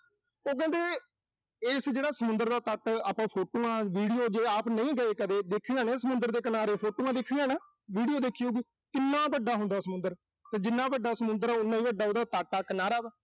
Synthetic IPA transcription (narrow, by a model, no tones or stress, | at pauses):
oːk̬ɛ̃nd̪eː | ɪːsd͡ʒeːɽaːsəmʊ̃nd̪əɾd̪aːt̪əʈaːpãːpʰoːʈoːãːʋiːɽijoːd͡ʒeːaːpnəĩːɡəeːkəd̪eːd̪eːkʰːiːãːnẽːsəmʊ̃nd̪əɾd̪eːkənaːɾeːpʰoːʈoːãd̪eːkʰːiːaːnɛː | ʋiːɽijoːd̪eːkʰijoːɡiː | t̪ɪnːãːbəɖːaːɦʊ̃nd̪aːsəmʊ̃nd̪əɾ | t̪eːd͡ʒɪnːaːbəɖːaːsəmʊ̃nd̪əɾaːʊnːãːĩːbəɖːaːɦd̪aːt̪aːʈaːkənaːɾaːʋɛː